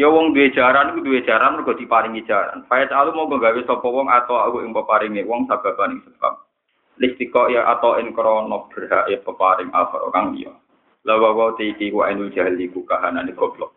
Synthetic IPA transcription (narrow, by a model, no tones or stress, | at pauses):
jɔwɔŋd̪uwed̥ʒ̥aɾankud̪uwed̥ʒ̥aɾanmɔrɡ̥ɔ̤d̪̥i̤paɾɪŋidd͡ʒ̥aɾa̰nfajɛt̪alumɔbəŋɡawesɔpɔwɔŋat̪ɔwahuʔɪŋpəpaɾɪŋnewɔŋsab̥a̤b̥anɪŋsəb̥a̰m̚ | lɪk̚t̪ikɔjaʔa̰t̪ɔɪŋkɾɔnɔk̚b̥ərɦaʔɪpəpaɾɪŋa̰hɔɾɔ̰kaŋlḭjɔ̰ | lawakɔt̪eikikua̰ɪnu̥d͡ʒ̥a̤likukaɦananeɡ̥ɔ̤b̥lɔ